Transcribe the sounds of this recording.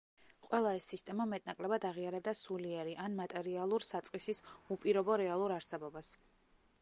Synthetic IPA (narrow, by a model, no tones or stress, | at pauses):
qʼwɛlˠaɛsːist̪ʼɛmamɛt̪ʼnakʼlɛbad̪aʁiaɾɛb̚d̪asuliɛɾiʔanmat̪ʼɛɾialˠuɾsat̪sʼqʼisisupʼiɾɔbɔɾɛalˠuɾaɾsɛbɔbas